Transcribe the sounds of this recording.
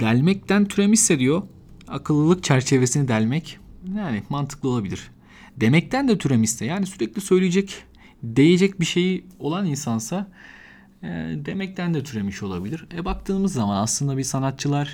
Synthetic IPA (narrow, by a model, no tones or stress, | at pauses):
d̪̥ælʲmɛc̚t̪ʰænt̪ʰyɾemisːed̪ijo̞ | akʰɯlˠːɯlˠɯkt͡ʃʰæɾt͡ʃʰe̞ve̞sinid̪ælʲmɛcjaːnɪmant̪ʰɯ̥klˠɯo̞lˠabilʲiɾ̥ | d̪e̞mɛc̚t̪ʰænd̪ɛt̪ʰyɾemist̪ɛjaːnisyɾɛclʲisø̞jlʲijed͡ʒɛc | d̪e̞je̞d͡ʒɛcbiʃe̞jo̞lˠaninsansa | d̪e̞mɛc̚t̪ænd̪ɛt̪ʰyɾe̞miʃo̞lˠabilʲiɾɛbak̚t̪ʰɯːmɯzːamanaslˠɯnd̪abisanat̪̚t͡ʃʰɯlˠaɾ̥